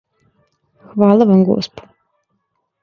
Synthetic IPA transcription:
xʋaːlˠaʋamɡo̰spo̥

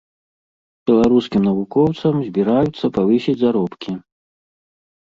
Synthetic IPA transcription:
b̥ʲɛlˠaɾuskʲimnɐvukɔwt̪sɐmzʲbʲiɾajut̪sːɐpavɨsʲid͡zʲzaɾɔpkʲi

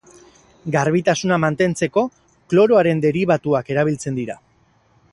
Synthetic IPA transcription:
ɡaɾβit̪asunamant̪e̞nt͡se̞ko̞ | klo̞ɾo̞aɾe̞nd̪e̞ɾiβ̞at̪uake̞ɾaβ̞ilt͡se̞nd̪iɾa

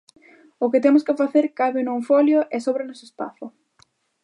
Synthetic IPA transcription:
ʊkɪt̪emʊskɪfaθeɾkaβɪnõwfɔljʊʔɛsoβɾɪnosespa̰θʊ

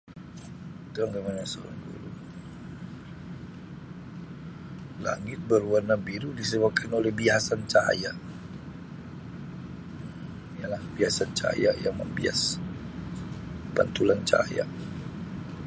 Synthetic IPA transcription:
t̪uaŋɡamanasoɾa̰ŋdṵlu | la̰ŋɪt̪̚bəruanːabiɾudisəbap̚kʰanolɛhbiɦasant͡ʃa̰ja | ijalahbiɦasant͡ʃa̰jajaŋmə̰mbḭa̰s | pant̪ulant͡ʃa̰ja̰

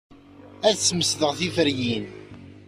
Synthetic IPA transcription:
æðsːməsðəʁθifəɾjin

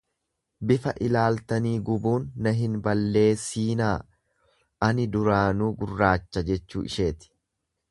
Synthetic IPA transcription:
bɪfɐʔɪlaːlt̪ɐniːɡʊbuːnːɐɦɪnbɐlːe̞ːsiːnaː | ʔɐnɪd̪ʊɾaːnuːɡʊrːaːt͡ʃːɐd͡ʒɛt͡ʃːṵːʔɪ̰ʃe̞ːt̪ɪ̥

